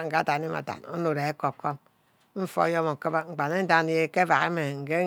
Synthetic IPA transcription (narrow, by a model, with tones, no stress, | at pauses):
ŋ̩˨ka˦˨ta˨ni˦ma̰˨ta̰˨no̰˦no˨ɾe˨e˦ko˨p̚ko˦m | m̩˦fo̰˦jo˦mo˨kɨ˦ba˦ŋ͡m̩˨k͡pa˨ne˦n̩˦da˦˨n˦je˦ke˦va˨ɣe˦me˨ŋ̩˨ɡe˦